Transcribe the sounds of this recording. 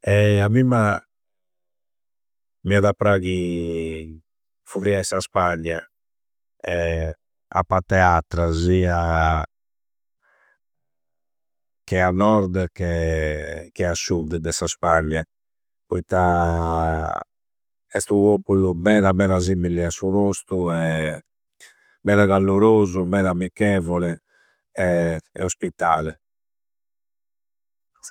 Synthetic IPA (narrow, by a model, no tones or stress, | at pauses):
ɛaβimːa | miaðapɾaɣi | fuɾiaɛsaspanja | ɛ | a̰pːat̪ɛat̪ɾazia | kɛanɔɾd̪kɛ | kɛasːud̪d̪ɛsaspaɲːa | pɔit̪a | ɛst̪uβoːpulumɛːɾamɛɾazimiliasːuβost̪uɛ | mɛːɾaɣalːoɾoːzumɛːɾamikːɛːvɔlɛ | ɛɛ̰ospit̪ːaːlɛ